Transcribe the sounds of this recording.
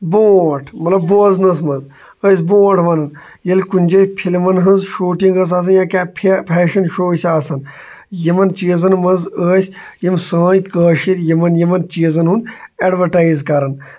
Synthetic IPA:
boːʈʰmɐt̪lɐbboːznɐsmɐnz | əːsʲbõːʈʰʋɐnɐn | jɐlʲkunʲd͡ʒɐpʰilmɐnɦɐnzʃuːʈiŋɡɐs̬aːs̬ɐnjãːkʲaːpʰpʲʰɛːʃɐnʃoːsʲaːsɐn | jimɐnt͡ʃiːzɐnmɐnzəːsʲ | jimsãːjkəːʃiɾjimɐnjimɐnt͡ʃiːzɐnɦuneɖʋɐɾʈaːizkɐɾɐn

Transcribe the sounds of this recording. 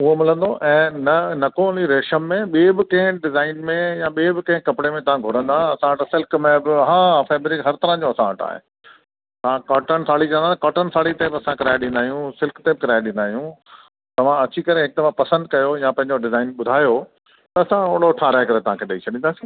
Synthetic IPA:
ʊɦomɪlə̃nd̪oʔɛ̃ːnɐnɐkoliɾeːʃəmːẽɓiebɪkɐ̃ɦɪ̃ɖɪzaːɪnmẽjãɓiːbɪkɐ̃ɦɪ̃kɐpɪɽemẽt̪ɐʋ̤ãɡʱʊɾə̃nd̪aːɐsãɐʈsɪlkmẽbɪɦãːfeːbɾikɦɐɾt̪ɐɾãd͡ʑõɐsãɐʈa̰ːɦḛː | t̪ɐʋ̤ãkɔːʈənsaːɭit͡ɕɐ̃ənd̪at̪ɐkɔːʈənsaːɭit̪ebɪɐsãkɪɾaːɪɗĩːnd̪aːɦijũsɪlkt̪ebɪkɪɾaːɪɗĩnd̪aːɦijũ | t̪ɐʋ̤ãɐt͡ɕikɐɾeɦek̚t̪ɐʋãpɐsə̃nd̪kɐjojãpɐ̃ɦɪ̃ɲd͡ʑoɖɪzaːɪnɓʊd̪ʱaːjo | t̪ɐːsãoɽoʈʰaːɾaːɦekɐɾet̪ɐʋ̤ãkʰeɗɐit͡ɕʰɐɗĩːnd̪aːsi

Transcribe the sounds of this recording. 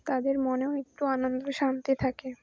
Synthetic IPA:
t̪ad̪eɾmɔneoek̚ʈuanond̪oʃant̪it̪ʰake

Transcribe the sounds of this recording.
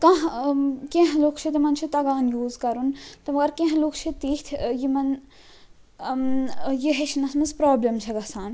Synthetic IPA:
kɐ̃ɦkẽɦɐloːkʰt͡ʃʰit̪imɐnt͡ʃʰit̪ɐɡaːnjuːzkɐɾunt̪ɐmɐɡɐɾkẽɦɐ̃loːkʰt͡ʃʰit̪iːt̪ʰjimɐn | jiɦeʃʰinɐsmɐzpɾaːblɐmt͡ʃʰɐɡɐsaːn

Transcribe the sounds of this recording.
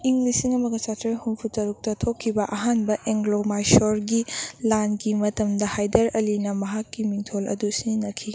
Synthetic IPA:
iŋlisiŋɐmɐɡɐt͡ʃatɾɐhunpʰutɐɾuk̚tɐtʰokʰːibɐʔɐɦanbɐʔeŋɡlomajsoɾɡilanɡimɐtɐmdɐhajdɐɾɐlinɐmɐɦakːimiŋtʰolɐ̰dusinɐkʰi

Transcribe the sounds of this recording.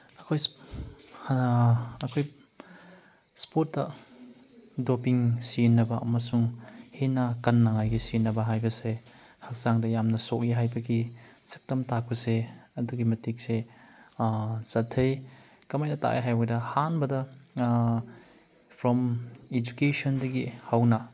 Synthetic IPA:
ɐkʰoj | ɐkʰoj | spotːɐ | dopiŋsinːɐbɐʔɐ̰mɐsuŋhenɐkɐnːaŋajɡisinɐbɐɦajbɐse | hak̚saŋdɐjamnɐsok̚iɦajbɐɡisɐ̥k̚tɐmtak̚pɐseɐduɡimɐtik̚se | sɐtʰːɐj | kɐmajnɐta̰ʔḛɦajbɐdɐhanbɐdɐ | pʰɾɔmed͡ʒukesɔndɐɡihawnɐ

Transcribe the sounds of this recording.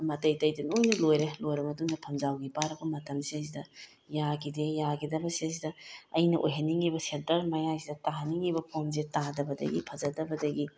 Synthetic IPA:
mɐtɐjtɐjdɐnojnɐlojɾelojɾɐmɐtuŋdɐpʰɐmzawɡipaɾɐbɐmɐtɐmsesidɐ | jaɡidejaɡidɐbɐsesidɐɐjnɐʔo̰jɦɐniŋibɐsedɐɾmɐjasidɐtaɦɐniŋibɐpʰons̬etadɐbɐdɐ̰ɡipʰɐzɐdɐbɐdɐɡi

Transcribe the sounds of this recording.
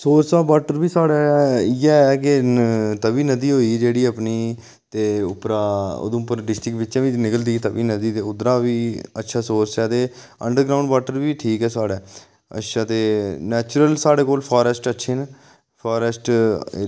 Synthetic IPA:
soːɾsaːbaːʈəɾbiːsaːɽɛːɪɛːk̬ɪt̪əbiːnəd̪iːɦoːiːd͡ʒeːɽiːəpniː | t̪eːʊpɾaːo̰ːd̪õpəɾɖɪsʈɾɪkʋɪtːt͡ʃãːʋiːnɪkəld̪iːt̪əbiːnəd̪iːt̪eːʊd̪ɾaːʋiːətːʃʰaːsoːsɛːt̪eː | ə̰ɳɖəɾɡɾaːʊ̃ɳɖʋaːʈəɾʋiːʈʰiːkɛːsaːɽɛː | ə̰ʃʰaːt̪eːnɛːt͡ʃʊɾəlsaːɽeːkoːlpʰaːɾəsʈətːʃʰeːn | pʰaːɾəsʈ

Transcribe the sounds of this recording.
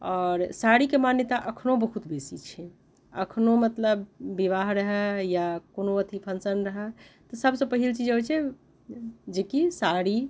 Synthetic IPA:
ɔːɾsaɾikemanjət̪aʔəkʰnobəɦut̪besit͡ʃʰɛ | ə̰kʰnomət̪ləbːiʋaɦɾəɦɛjakonoət̪ʰipʰənsənɾəɦɛt̪ɔsəbsə̃pəɦilt͡ʃid͡ʒɦət͡ʃʰɛ | d͡ʒekisaɽi

